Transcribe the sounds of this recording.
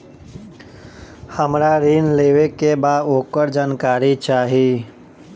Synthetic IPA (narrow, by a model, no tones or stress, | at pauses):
həmɾaɾiːnleːʋekebaːd̪oːkəɾd͡ʒaːnkaːɾit͡ʃaːɦi